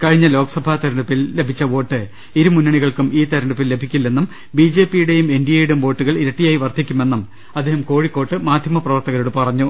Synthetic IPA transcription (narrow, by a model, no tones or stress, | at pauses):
kɐɻiɲːɐlo̞ːkɐsɐbʱaːt̪ɐɾɐɳɖupːilːe̞bʱit͡ɕːɐʋo̞ːʈːɨ | iɾumunːɐɳiɣɐɭkumiːt̪ɐɾɐɳɖupːilːe̞bʱikʲːilːenːum | biːd͡ʑe̞ːpːijuɽe̞jume̞ndijɐjiɽumʋo̞ːʈːuɣɐɭiɾeʈːijaːjiʋɐrt̪ʰːikʲːume̞nːum | ɐd̪ːeːɦɐmko̞ːɻikːo̞ːʈːɨmaːd̪ʱjɐmɐprɐʋɐrt̪ɐɣɐɾuɽɨpɐrɐɲːu